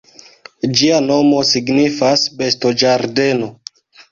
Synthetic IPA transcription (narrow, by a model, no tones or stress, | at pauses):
d͡ʒiano̞mo̞siɡnifasbe̞sto̞d͡ʒaɾde̞no̞